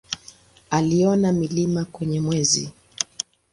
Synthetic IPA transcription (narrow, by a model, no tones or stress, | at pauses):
aliɔnamilimakwɛɲɛmwɛzḭ